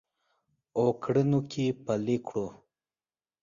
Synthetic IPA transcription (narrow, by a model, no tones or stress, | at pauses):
okɽinukʰipəlikʰɽo